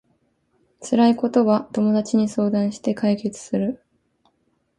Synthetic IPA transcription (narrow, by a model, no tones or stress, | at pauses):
t͡sɨɾaiko̞t̪o̞βat̪o̞mo̞d̪at͡ɕiɲ̟iso̞ːd̪ãɰ̃ɕi̥t̪e̞kaike̞t͡sɨ̥sɨɾɯ̟